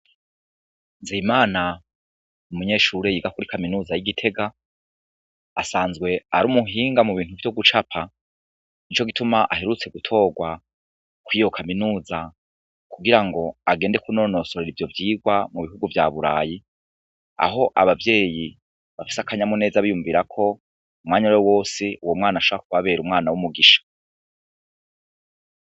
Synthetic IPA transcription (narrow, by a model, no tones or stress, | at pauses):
nziːmaːna | umuɲe̞ːʃuːɾejiːɡakuɾikaminuːzajiɡitʰe̞ɡa | asaːnzɡwe̞aɾuːmuɦiːŋɡamuβiːn̥uvjo̞ɡut͡ʃapʰa | nit͡ʃo̞ɡitumaʔahe̞ɾut͡se̞ɡutʰo̞ːɡwa | kwijo̞kʰaminuːza | kuɡiɾaŋɡo̞aɡe̞ːnde̞kuno̞no̞ːsoɾeɾivjo̞vjiːɡwamuβiɦuɡuvja̰βuɾa̰ːji | a̰ɦo̞ʔaβavje̞ːji | βafi̥sakaɲamune̞ːzaβijuɱviɾakʰo̞ | umŋaːɲajowo̞ːsiʔuwomŋaːnaʃoakuβaβe̞ːɾumŋaːnawumuɡiʃḁ